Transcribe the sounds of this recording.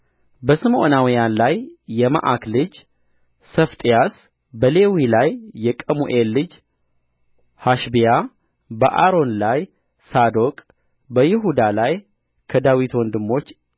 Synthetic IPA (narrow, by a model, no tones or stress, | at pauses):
bəsɨmʔo̞nawijanlajːɛma̰ʔaklɨd͡ʒ | səft̪ʼijas | bəle̞wilajːɛkʼəmuʔelːɨd͡ʒ | haʃbija | bə̰ʔaɾo̞nlaj | sad̪o̞kʼ | bəjɪɦud̪alaj | kʰəd̪awit̪wɔnd̪ɨmːo̞t͡ʃː